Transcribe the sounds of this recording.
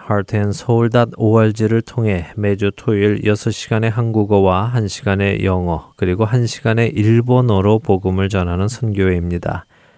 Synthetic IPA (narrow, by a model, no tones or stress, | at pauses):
haɭtʰensʰʌuɭdadowʌɭd͡ʑiɾɯɭtʰoŋɦe̞me̞d͡ʑutʰoiɭjʌsʰʌɕ͈ʰi̥ɡane̞ɦanɡuɡowaɦanɕʰiɡane̞jʌŋʌkɯɾiɡoɦanɕʰiɡane̞ʔiɭbonoɾopoɡɯmɯɭt͡ɕʌnɦanɯnsʰʌnɡjoeimɲida̰